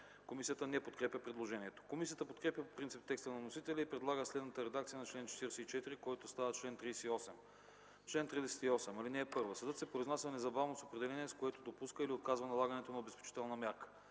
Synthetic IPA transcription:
komisijət̪ənɛpot̪kɾɛpjʲəpɾɛd̪lˠoʒɛniɛt̪o̥komisijət̪əpot̪kɾɛpjəpopɾint̪sip̚t̪ːɛkst̪ənɐnosit̪ɛlʲɛipɾɛd̪lˠaɡəslɛd̪nət̪əɾɛd̪ak̚t̪sijənɐt͡ʃlɛnt͡ʃɛ̥t̪iɾɛsɛit͡ʃɛt̪iɾikɔjt̪ost̪avət͡ʃlɛnt̪ɾisɛiɔsɛm | t͡ʃlɛnt̪ɾid̪ɛsɛ̥t̪iɔsɛmɐlinɛːpɤɾvəsəd̪ɤt̪sɛpɾoiznasʲɐnɛzɐbavnosopɾɛd̪ɛlɛniɛskoɛt̪od̪opuskəiliot̪̚kazvənɐlˠaɡənɛt̪onɐobɛspɛ̥t͡ʃi̥t̪ɛlˠnɐmʲjaɾkə̥

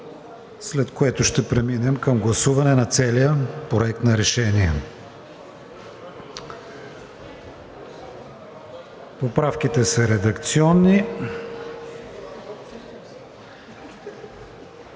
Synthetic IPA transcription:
slɛt̪koɛt̪ʊʃt̪ɛpɾɛminɛmkɐmɡlˠɐsuvɐnɛnɐt̪sɛlijəpɾoɛk̚t̪nɐɾɛʃɛniɛ | popɾafk̟it̪ɛsəɾɛd̪ɐkt̪siɔnːi

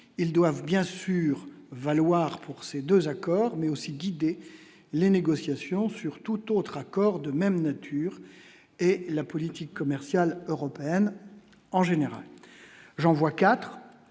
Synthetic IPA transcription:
ild̪wavbjɛ̃syʁvalwaʁpʰuʁsed̪øzakɔːʁmɛosiɡʲid̪e | leneɡɔsjasjɔ̃syʁt̪ut̪ot̪χakɔʁd̪əmɛmnat̪ʰyːʁ | elapɔlit̪ikːɔmɛʁsjaløʁɔpeɛn | ɑ̃ʒeneʁa̰l | ʒɑ̃vwakat̪χ

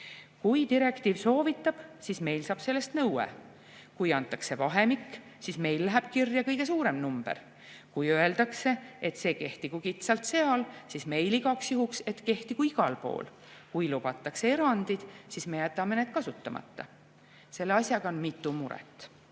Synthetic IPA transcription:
kujt̪iɾe̞kt̪iːvso̞ːvit̪ːˑɑb̥sisme̞jlsɑːb̥se̞lːe̞st̪nɤwḛ | kujɑnt̪ˑːɑkse̞vɑɦe̞mikː | sisme̞jlːæɦæb̥kirjɑkɤjɡ̥e̞suːɾe̞mnumb̥e̞̰ɾ | kujøe̞ld̪̥ɑkse̞et̪ːˑse̞ːke̞ht̪ikukit̪sɑlt̪se̞ɑlsisme̞jliɡɑksjuɦukse̞t̪ke̞ht̪ikuiɡ̥ɑlpo̞̰ːl | kujlub̥ɑt̪ˑːɑkse̞e̞ɾɑnd̪̥id̪̥sisme̞jæt̪ːˑɑme̞ne̞ːd̪̥kɑsut̪ˑːɑmʔɑ̰t̪ːɑ | se̞lːeɑsʲjɑɡ̥ɑonmit̪ːˑumuɾɛ̰t̪ːˑ

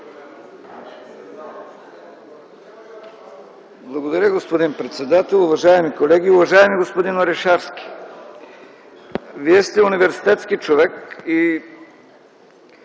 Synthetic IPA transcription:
blˠɐɡod̪ɐɾʲəɡospod̪inpɾɛt̪sɛd̪at̪ɛlˠʊvɐʒaɛmikolɛɡ̟iʊvɐʒaɛmiɡospod̪inɐɾɛʃaɾskʲi̥ | viɛst̪ɛʊnivɛɾsi̥t̪ɛt̪skit͡ʃovɛki

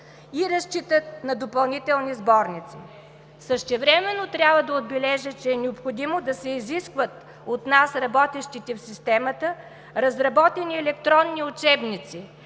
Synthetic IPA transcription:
iɾɐst͡ʃit̪ət̪nɐd̪opɐlˠnit̪ɛlˠnizbɔɾnit̪si | səʃt̪ɛvɾɛmɛnːot̪ɾʲjabvəd̪ɐod̪̚bɛlɛʒət͡ʃɛːnɛopxod̪imod̪ɐsɛiziskvət̪ | ot̪nasɾɐbɔt̪ɛʃt̪it̪ɛfsist̪ɛmət̪ə | ɾɐzɾɐbɔt̪ɛniɛlɛkt̪ɾɔnːiʊt͡ʃɛbnit̪si

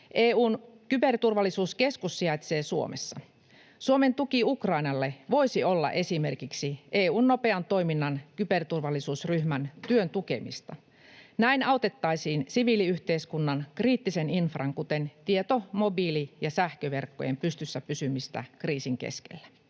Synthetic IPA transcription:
ʔeːuːnkybe̞rt̪urʋɑlːˑisuːske̞skusːiɑjt̪seːsuo̞̰mesːɑ | suome̞nt̪ukiukrɑinɑlːeʋo̞isiolːɑ̰ʔe̞sime̞rkiksiʔeːuːnːo̞pe̞ɑnt̪o̞iminːɑnkype̞rt̪urʋɑlːisuːsryhmænt̪yønt̪uke̞̰mḭst̪ɑ | næinɑot̪e̞t̪ːɑisiːnsiʋiliyht̪e̞iskunːɑnkriːt̪ːiseninfrɑŋkut̪ent̪iet̪omo̞bilijɑsæhkøʋe̞rkːo̰jempyst̪ysːæpysymist̪æ̰kriːsiŋkḛskḛlːæ

